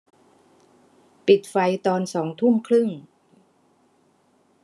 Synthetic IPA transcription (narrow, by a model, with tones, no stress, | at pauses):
pi˨˩t̪̚fa˧jt̪ɔː˧nsɔː˩˦ŋt̪ʰu˥˩mkʰlɯ˥˩ŋ